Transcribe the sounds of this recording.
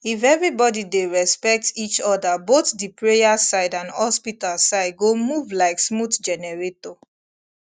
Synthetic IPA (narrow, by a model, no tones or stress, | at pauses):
ifɛvɹibɔdideɹɛspɛk̚tit͡ʃɔdabotdipɹejasaɪdãnhɔspitalsaɪd̚ɡomuvlaɪksmutd͡ʒɛnɛɹeto